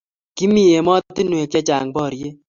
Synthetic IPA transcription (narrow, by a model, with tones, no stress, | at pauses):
ki˦mi˨je˨mɔ˦ti˦nwe˨k̚t͡ʃɛ˦t͡ʃa˨ŋbɔ˦˨ɾje˦